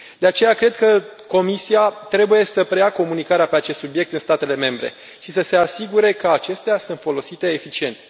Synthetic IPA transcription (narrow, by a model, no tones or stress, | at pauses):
d̪e̞at͡ʃe̞jakɾe̞d̪kəko̞misiat̪ɾe̞buje̞səpɾe̞jako̞munikaɾeape̞at͡ʃest̪subje̞k̚t̪ɨnst̪at̪e̞le̞me̞mbɾe̞̰ | ʃisəse̞asiɡuɾe̞kəat͡ʃe̞st̪easunt̪fo̞lo̞sit̪e̞ːfit͡ʃie̞nt̪